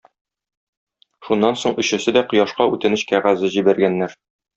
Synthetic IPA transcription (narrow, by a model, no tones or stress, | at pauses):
ʃunːɑnsoɴɵ̆ɕɘ̆sɘd̪æqŏjɑʃqɑʉt̪ɘ̆nɘɕkæʁæzɘʑibæɾɡænːæɾ